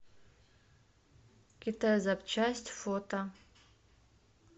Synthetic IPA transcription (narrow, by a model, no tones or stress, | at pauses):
kʲit̪ʰajzapt͡ʃʰasʲtʲfot̪ʰʼɐ